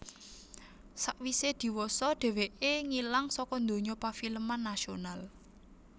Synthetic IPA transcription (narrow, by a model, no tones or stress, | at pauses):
saʔwised̪̥i̤wɔsɔɖ̪̥ɛ̤weʔeŋilaŋsɔkɔnd̪o̤ɲɔpafiləmanːasional